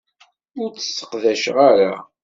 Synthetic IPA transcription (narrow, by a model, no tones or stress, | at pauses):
ʊɾt͡sːə̥sːə̥qðæʃʁaɾa